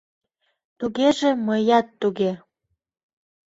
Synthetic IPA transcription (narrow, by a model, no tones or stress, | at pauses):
t̪uɣeʒĕməjɑt̪ːuɣe